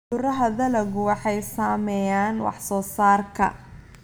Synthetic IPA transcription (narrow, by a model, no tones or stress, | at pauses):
ʊrɐɦɐðɐlɐɣʊwɑħɑjsaːmɛjaːnwɑ̰ħsɔːsaːrkʰɐ̰